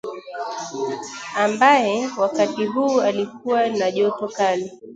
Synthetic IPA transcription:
ambajɛwakatiɦuːalik̚uwanaʄɔtɔkali

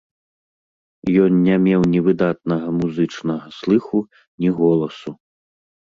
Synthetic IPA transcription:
jɔnnʲamʲɛwnʲɛvɨd̪at̪̚nɐɣɐmuzɨt͡ʂnɐɣɐslˠɨxu | nʲiɣɔlˠɐsu

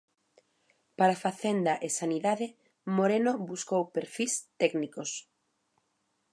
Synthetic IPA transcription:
paɾafaθend̪ɐʔesaniðaðɪ | moɾenoβuskowpeɾfist̪ɛknikos

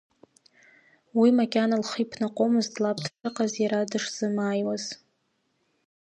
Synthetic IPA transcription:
wimakʲʼanalχipʰnaqʷʼomɨzdlap̚ʰdʰʈ͡ʂʰʼɨqʼazjaɾadɨʂz̥ɨmaːjwaz̥

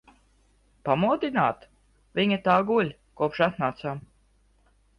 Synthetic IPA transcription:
pamuɔd̪inaːt̪ | vʲiɲat̪aːɡulʲ | kuɔpʃat̪naːt̪saːm

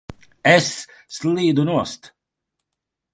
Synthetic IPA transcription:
ɛsː | lʲˠiːd̪unuɔst̪

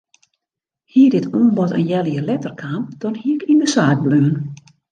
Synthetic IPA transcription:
hiədɪtumbɔtə̰njɛlˠəjəlɛtərkʰaːmd̥ɔnhiəkindəsaːd̚bløən

